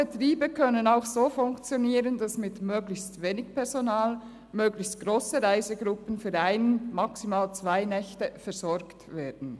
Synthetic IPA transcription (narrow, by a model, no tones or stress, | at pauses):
b̥ətʁiːbəkʰœnənaʊxsoːfʊŋkt͡sjoniːʁənd̥asmɪtmøːɡlɪçstveːnɪɡpʰɛʁzonaːl | møːɡlɪçstɡ̥ʁoːsəʁaɪzəɡʁʊpənfyːɾaɪnmɑksimaːlt͡sv̥aɪnɛçtəfɛɐz̥ɔɾktveːd̥n̩